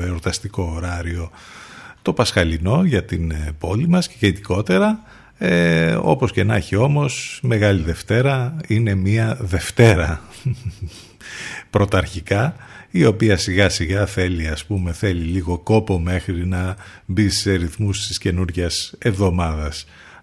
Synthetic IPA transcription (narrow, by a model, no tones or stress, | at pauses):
eoɾt̪ɐst̪iko̞ːɾɐɾio̞ | t̪o̞pɐsxɐlino̞ʝɐt̪inpo̞limɐsceʝet̪iko̞t̪e̞ɾɐ | eo̞̰po̞sce̞nɐçio̞mo̞sme̞ɣɐliðe̞ft̪e̞ɾɐine̞miɐðe̞ft̪e̞ɾɐ | pɾo̞t̪ɐɾçikɐio̞piɐsiɣɐsiɣɐθe̞liɐspume̞θe̞liliɣo̞ko̞po̞me̞xɾinɐ | bise̞ɾiθmust̪isce̞nuɾʝese̞vðo̞mɐðɐs